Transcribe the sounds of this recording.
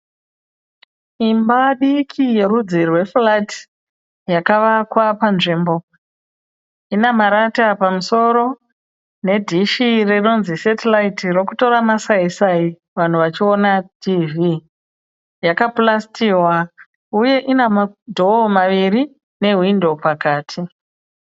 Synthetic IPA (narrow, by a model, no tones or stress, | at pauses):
imbaɗikʰije̞ɾud͡zirwe̞flat | jakaʋakwapanʐimbo̞ | inemaɾatapamuso̞ɾo̞ | ne̞dʱiʃirino̞nzisetelaitirokuto̞ɾamasaisai | ʋan̤uʋat͡ʃio̞natʰiːvi | jakaplastiwa | uje̞ʔinemadʱo̞maʋiɾi | ne̞ɦwindo̞pakaːtʰi